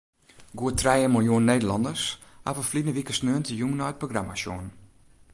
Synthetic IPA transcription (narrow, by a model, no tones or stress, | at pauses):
ɡuətʰrɛjəmɔjoənːeːdəlɑndəs | ha̰vəflinəʋikəsnøːntʰəjuːnɔət̚proɡramasjo̰ːn